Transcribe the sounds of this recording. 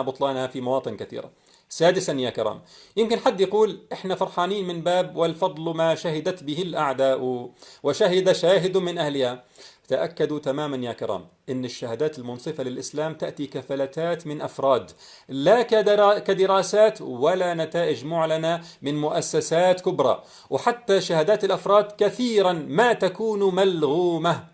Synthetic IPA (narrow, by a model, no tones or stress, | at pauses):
abʊt̪ˤlɑːnhafimawɑːt̪ˤɨnkaθḭːɾa̰ | saːd̪ɪsanjaːkɪɾˤa̰ːmjɪmkɪnħad̪ːjaquːlʔɪħnafɑɾˤħɑːniːnmɪnbaːbwɪlfɑd̪ˤlmaʃahɪd̪at̪bɪhɪlʔaʕd̪aːʔwwɪʃaɦɪd̪aʃaːɦɪd̪ʊmɪnʔahlɪha | t̪aʔakːad̪ut̪amaːmanjaːkɪɾˤa̰ːm | ʔɪnːɪʃːahad̪aːt̪ɪlmʊnsˤɨfalɪlʔɪslaːmt̪aʔt̪ikafalat̪aːt̪mɪnʔafɾˤɑːd̪ | lakakad̪ɪɾˤaːsaːt̪walanat̪aːʔɪd͡ʒmʊʕlanamɪnmʊʔasːasaːt̪kʊbɾˤɑ̰ | wɪħat̪ːaʃahad̪aːt̪ɪlʔafɾˤɑːd̪kaθiːɾanmaːt̪akuːnmalɣuːma